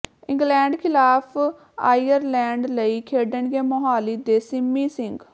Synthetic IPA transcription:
ɪ̃ŋɡlɛːɳɖkʰɪlaːpʰ | a̰ːiːəɾlɛːɳɖləiːkʰeːɖəɳɡeːmoɦaːliːd̪eːsɪmːiːsɪŋɡ

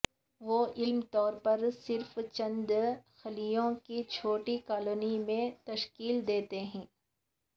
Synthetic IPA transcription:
ʋoːʔɪlmt̪ɔːɾpɐɾsɪɾft͡ʃɐ̃nd̪xɐlijõkit͡ʃʰoːʈikaːloːnimẽt̪ɐʃkiːld̪eːt̪eɦɛ̃ː

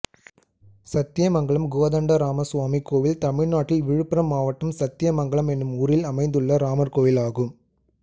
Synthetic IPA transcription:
sɐt̪ːɪjɐmɐŋɡɐɭɐmɡoːðɐɳɖɐɾaːmɐsʊʋaːmikːoːʋɪlt̪ɐmɪɻnaːʈːɪlʋɪɻɯpːɪɾɐmːaːʋɐʈːɐmsɐt̪ːɪjɐmɐŋɡɐɭɐmɛnːɯmuːɾɪlɐmɐɪnd̪ɯɭːɐɾaːmɐɾkoːʋɪlaːɣɯm

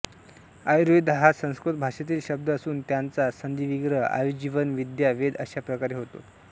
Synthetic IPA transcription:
ajɾujd̪ɦasə̃w̃skɾut̪bʱaʂat̪̬iːlɕəb̚d̪əəsuːnt̪jant͡sasənd̪iʋiɡɾəa̰jud͡ʑiʋənʋid̪jaʋed̪ə̰ɕjapɾəkaɾeɦot̪o̰

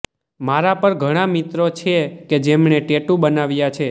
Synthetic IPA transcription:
maɾapəɾɡʱəɽ̃amit̪ɾot͡ʃʰeked͡ʒemɳeʈeʈubənaʋjat͡ʃʰe

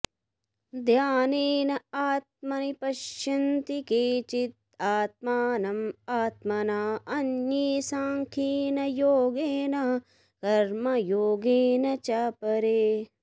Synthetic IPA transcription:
d̪ʱjaːneːnɐaːt̪̚mɐnipɐʃjɐnt̪ikeːt͡ʃit̪̚ | aːt̪̚maːnɐmaːt̪mɐnaːɐnjiːsaːŋkʰiːnɐjoːɡeːnɐ | kɐɾmɐjoːɡeːnɐt͡ʃɐpɐɾeː

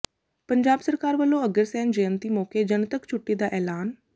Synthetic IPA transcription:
pəɲd͡ʒaːbsəɾkaːɾʋəlːõːəɡəɾsɛ̃ːnd͡ʒəjə̃nt̪iːmoːkeːd͡ʒənt̪əkt͡ʃʰʊʈːiːd̪aːʔɛːlaːn

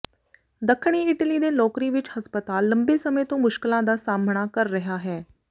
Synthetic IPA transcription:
d̪əkʰːɳ̃iːɪʈəliːd̪eːlɔːkɾiːʋɪt͡ʃhəspət̪aːlːə̃mbeːsəmẽːt̪õːmʊʃkɪlãːd̪aːsaːmɳaːkəɾːəɦaːɦɛː

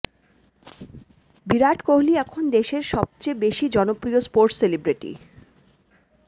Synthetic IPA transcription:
biɾaʈkoɦliɛkʰond̪eʃeɾʃɔb̚t͡ɕejbeʃid͡ʑɔnopɾiospoɾʈselibɾiʈḭ

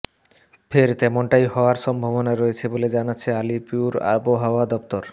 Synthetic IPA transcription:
fʰeɾt̪ɛmonʈajɦɔoaɾʃɔmbʱobonaɾoet͡ɕʰeboled͡ʑanatːɕʰealipiuɾa̰boɦaoad̪ɔpt̪oɾ

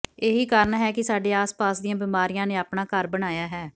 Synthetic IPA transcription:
eːɦiːkaːɾəɳɦɛːkɪsaːɖeːaːspaːsd̪ɪjãːbɪmaːɾijãːneːaːpɳaːkəɾbəɽ̃aːjaːɦɛː

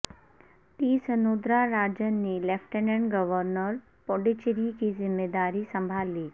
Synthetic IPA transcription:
t̪iːsənod̪ɾaɾad͡ʑənːiːlefʈəneɳɡəʋəɾnəɾ | pɔɖit͡ɕiɾikizimːed̪aɾiːsəmbʱalːiː

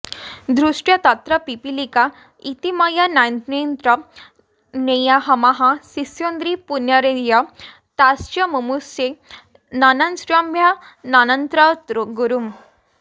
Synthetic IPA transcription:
d̪ɾuʂʈjat̪at̪ɾəpipilika | it̪imajanajnt̪nent̪ɾə | nejaɦɐmaɦãsisjond̪ɾipunjaɾejə | t̪ast͡ɕəmumuse | nanansɾambʱja | nanənt̪ɾət̪ɾɡuɾum

